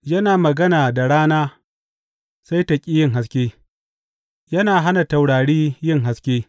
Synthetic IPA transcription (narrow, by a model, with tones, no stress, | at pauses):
jɐ˦naː˨mɐ˨ɡɐ˦naː˨da˨ɽaː˦naː˦ | sa˦jtɐ˨kʲʼiː˦jɪ˦ŋɦa˦s̬kʲeː˦ | jɐ˦naː˨ɦa˦na˨ta˨wɽaː˨ɽiː˦jɪ˦˨ŋɦa˦skʲeː˦